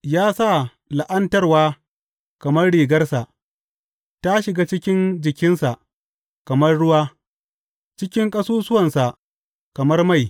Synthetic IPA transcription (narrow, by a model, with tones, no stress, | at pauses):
jaː˦sa˦˨ | la˨ʔɐ˦ntɐ˦rwaː˦ | kɐ˨mɐ˦rɽiː˨ɡɐ˦rsa˨ʔ | ta˦ʃɪ˨ɡaː˦t͡ʃɪ˦kʲɪ˦nd͡ʒɪ˨kʲɪ˦nsa˨ʔ | kɐ˨mɐ˦rɽʊ˦waː˦ | t͡ʃɪ˦kʲɪ˦ŋkʼɐ˦suː˦sʊ˦wɐ˨nsa˨ | kɐ˨mɐ˦rma˦˨j